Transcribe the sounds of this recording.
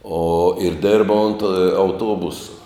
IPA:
oː ɪr ˈdʲɪrbɐ oːnt eː ɐʊˈtuɔbʊsɐ

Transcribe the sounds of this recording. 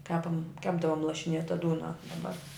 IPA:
ˈkʲæːpɐm ˈkʲæːbdɐʋoːm lˠɐʃʲɪˈnʲeːtɐ ˈduːnɐ dɐˈbɐr

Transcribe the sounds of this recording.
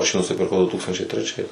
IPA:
ˈɐʃ jiː nʊsʲɪpʲɪrˈkɐʊ dʊ ˈtuːkstɐnʲt͡ʃʲɛɪ tʲrʲɛˈt͡ʃʲɛɪs

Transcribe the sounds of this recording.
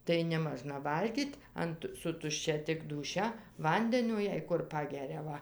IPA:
tɐɪ nʲɛˈmɑːʒnɐ ˈʋɐlʲɡʲiːtʲ ɐnt sʊ tʊʃʲˈt͡ʃʲɛ tʲɪk duːˈʃʲɛ ˈʋɐnʲdʲɛnʲoː jɛɪ ˈkʊr ˈpɑːɡʲɛrʲɛ ˈʋɐ

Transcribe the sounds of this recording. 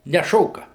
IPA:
nʲɛˈʃoːkɐ

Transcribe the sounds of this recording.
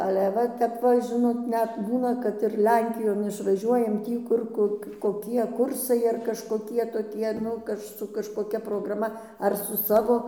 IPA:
ɐlʲɛ ˈʋɐ tʲɛp ˈʋɐ ʒʲɪˈnoːt ˈnʲɛt ˈbuːnɐ kɐt ɪr ˈlʲɛŋʲkʲɪjoːn ɪʃʋɐˈʒʲuɔjɛm ˈtʲiː kʊr ˈkʊr koːˈkʲiɛ ˈkʊrsɐɪ ɐr kɐʃkoːˈkʲiɛ toːˈkʲiɛ ˈnʊ kɐʃ sʊ kɐʃkoːˈkʲɛ proːɡrɐˈmɐ ɐr sʊ ˈsɑːʋoː

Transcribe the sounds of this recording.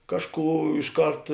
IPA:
ˈkɑːʃˌkuː ɪʃ ˈkɐrt

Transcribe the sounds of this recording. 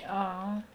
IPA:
ˈɑːˌɐ

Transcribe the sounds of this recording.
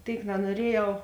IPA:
ˈtʲeːɪk nɐnuɔˈrʲiɛjɛʊ

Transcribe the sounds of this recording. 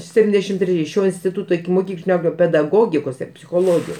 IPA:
ˈsʲæːpʲtʲɪnʲdʲɛʃʲɪm tʲrʲɛˈjɪ ˈʃʲoː ɪnʲsʲtʲɪˈtʊtoː ɪkʲɪmoːˈkʲiːklʲɪnʲoː pʲɛdɐˈɡoːɡʲɪkoːs ɪr pʲsʲɪxoːˈlˠoːɡʲɪjoːs

